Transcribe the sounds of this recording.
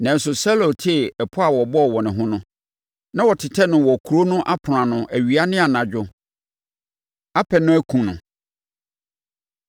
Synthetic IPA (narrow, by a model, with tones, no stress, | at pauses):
nã˨n̩˦sʊ˨sɛ˦lo˨tʰɪ˦˨ɛ˨pʰʊ˦a˨wɔ˨bɔ˦ɔ˨wɔ˨nɪ̃˨ɦʊ̃˦nʊ̃˦ | nã˦wɔ˨tʰɪ˨tʰɛ˦nʊ̃˨wɔ˨kʰu˨ɾo˦nʊ̃˦ʔa˦pʰɾã˨nʊ̃˨ʔæ˨ɥi˨a˦nɪ̃˦a˨nã˨d͡ʑᶣʊ˦ | a˦pʰɛ˨nʊ̃˦æ˦kʰũ˨nʊ̰̃˨